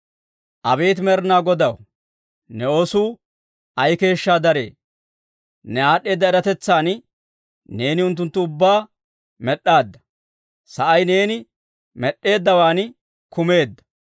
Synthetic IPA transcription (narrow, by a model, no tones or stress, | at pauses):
ʔɐbeːt̪mɛɾnaːɡɔd̪ɐw | nɛosuː | ɐjke̞ːʃːaːd̪ɐɾe̞̰ː | nɛaːɗːe̞ːd̪ːɐɛɾɐt̪ɛt͡sːaːn | ne̞ːnɪʊnt̪̬ːʊnt̪ːʊʊbːaː | mɛɗːaːd̪ːɐ̥ | sɐʔɐjne̞ːnɪ | mɛɗːe̞ːd̪ːɐwaːn | kʊme̞ːd̪ːɐ̥